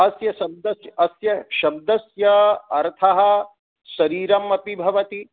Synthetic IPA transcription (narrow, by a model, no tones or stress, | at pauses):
ɐsjɐʃɐb̚d̪ɐsjɐsjɐʃɐb̚d̪ɐsjɐɐɾt̪ʰɐɦɐ̆ | ʃɐɾiːɾɐmɐpibʱɐʋɐt̪i